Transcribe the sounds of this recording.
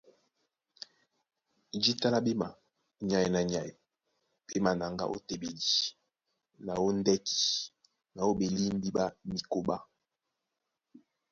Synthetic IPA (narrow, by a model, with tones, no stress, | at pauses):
d͡ʒi˦ta˦la˦be˦ma˨ | ɲa˨ji˨na˨ɲa˨je˨ | pe˦ma˨na˨ŋɡa̰˦ʔo̰˦te˨be˨di˨ | na˨wo˦n˦dɛ˦ki̥˨ | na˨o˦be˨li˦m˦bi˦ɓa˦mi˨ko˦ɓa˦